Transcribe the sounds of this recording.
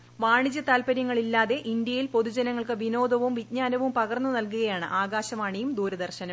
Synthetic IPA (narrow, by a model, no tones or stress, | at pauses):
ʋaːɳid͡ʑɐt̪aːlpɐɾjɐŋːɐɭilːaːðe̞ʔind̪jɐjilpo̞ðud͡ʑɐnɐŋːɐɭkɨʋino̞ːd̪ʱɐʋumʋit̚ɲaːnɐʋumpɐɣɐrnːunɐlkuɣɐjaːɳɨ̰ʔaːɡaːɕɐmaːɳijumd̪uːɾɐd̪ɐrɕɐnɐm